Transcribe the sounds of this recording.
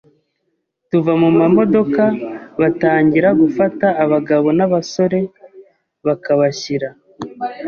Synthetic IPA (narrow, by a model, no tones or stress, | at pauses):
tuvamumamo̞do̞kaβataːɲɟiɾaɡufataːβaɡaβo̞naβaso̞ɾe̞ | βakaβaçiɾa